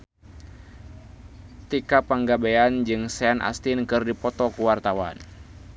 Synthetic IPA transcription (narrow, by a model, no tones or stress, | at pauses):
t̪ikapaŋɡabeand͡ʒɨŋsanʔa̰st̪inkɨrdipɔt̪ɔkuwart̪awa̰n